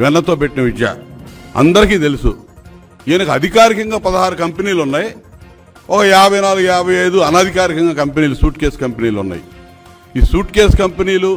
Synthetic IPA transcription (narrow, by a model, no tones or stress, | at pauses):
ʋɛnːɐt̪o̞ːpeʈːinɐʋid͡ʒja̰ːɐ̰nd̪ɐɾikiːt̪e̞lusṵ | eːnɐkɐɐd̪ʱikaːɾikɐŋɡaːpɐd̪ɐɦaːɾukɐmpeniːlunːaːji | ɔkɐjaːbʱɐjnaːluɡjaːbʱɐjɐjd̪uɐnaːd̪ʱikaːɾikɐŋɡaːkɐmpeniːlusuːʈkeːskɐmpeniːlṵnːa̰ːjḭ | iːsuːʈkeːskɐmpeniːlu